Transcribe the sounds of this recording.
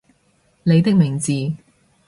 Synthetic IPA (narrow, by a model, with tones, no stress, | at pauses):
le˨˧jt̪ɪ˥k̚mɪ˨˩ŋt͡siː˨˧